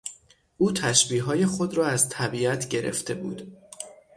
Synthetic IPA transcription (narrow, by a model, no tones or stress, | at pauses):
ʔuːt̪ʰæʃbiːɦɒːje̞xo̞d̪ɾɒːæzt̪ʰæbiːæt̪ʰɟe̞ɾʔḛft̪ʰe̞bṵːd̪̥